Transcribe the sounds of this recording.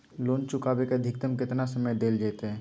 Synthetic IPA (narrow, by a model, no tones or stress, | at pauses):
loːnt͡ʃʊkaːbekeəd̪ʱɪk̚t̪əmkɪt̪nasəməjd̪eːld͡ʒeːt̪eɦɛ̃ː